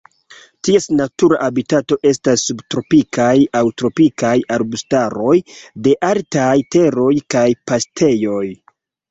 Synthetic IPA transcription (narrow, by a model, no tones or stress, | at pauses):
tie̞snatuɾaʔabitato̞ʔe̞stasːubtɾo̞pikʰajawtɾo̞pikajaɾbustaɾo̞jde̞ʔaltajte̞ɾo̞jkajpastʰe̞jo̞j